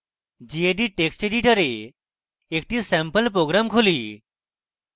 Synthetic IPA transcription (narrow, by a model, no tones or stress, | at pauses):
d͡ʑieɖiːʈeksʈeɖiʈəɾe | ekʈiːsɛ̃mpəlpɾoɡɾamkʰoliː